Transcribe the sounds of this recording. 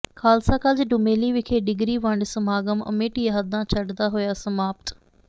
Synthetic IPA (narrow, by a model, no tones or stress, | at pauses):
kʰaːlsãːkəld͡ʒɖʊmeːliːʋɪkʰeːɖɪɡɾiːʋə̃ɳɖsəmaːɡəmə̰meːʈiːɦəd̪ãːt͡ʃʰəɖd̪aːɦoːjaːsəmaːpət̪